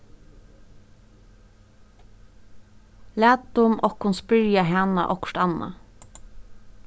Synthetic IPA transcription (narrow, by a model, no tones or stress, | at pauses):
læːt̪ʊmʔɔkhʊnspɪɾjaɦɛna̰ʔɔkɹʈ̪ɑna̰